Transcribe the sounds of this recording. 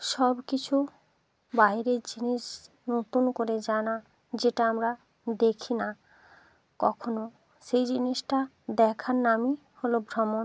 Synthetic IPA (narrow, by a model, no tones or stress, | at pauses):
ʃɔbkit͡ɕʰu | bajɾeɾd͡ʑiniʃ | not̪unkoɾed͡ʑana | d͡ʑeʈaamɾa | d̪ekʰina | kɔkʰono | ʃejd͡ʑiniʃʈa | d̪ɛkʰaɾnami | holobʱɾɔmo